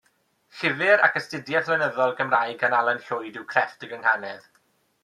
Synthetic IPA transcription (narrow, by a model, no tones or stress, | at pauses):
ɬɪvɪɾa̰kʰəstɪdjaθlənəðɔlˠɡəmraːjɡanalˠənɬʊjdɪwkʰr̥ɛfdəɡəŋhanɛð